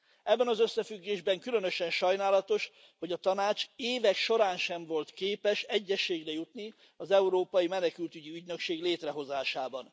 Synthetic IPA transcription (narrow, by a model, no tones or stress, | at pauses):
ɛbːɛnɒzøsːɛfyɡːeːʒbɛŋkylø̞nøʃɛnʃɒjnaːlɒt̪o̞ʃ | ho̞ɟɒt̪ɒnaːt͡ʃeːvɛkʃo̞ɾaːnʃɛɱvo̞lt̪keːpɛʃɛɟːɛʃːeːɡrɛjut̪ni | ɒzɛuɾoːpɒjimɛnɛkylt̪yɟiyɟnø̞kʃeːɡleːt̪rɛɦo̞zaːʃaːbɒn